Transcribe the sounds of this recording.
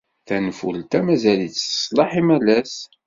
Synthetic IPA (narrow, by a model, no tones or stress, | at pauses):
θænfṵlt̪æmæzæliθə̥sˤlɑħimælæs